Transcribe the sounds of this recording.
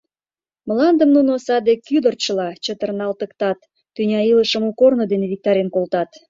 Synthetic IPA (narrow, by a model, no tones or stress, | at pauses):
məlɑnd̪əmnunosɑd̪ekyd̪ərt͡ɕəlɑt͡ɕət̪ərnɑlt̪əkt̪ɑt̪ː | ynʲɑiləʃəmukornod̪eneβik̚t̪ɑɾʲenkolt̪ɑt̪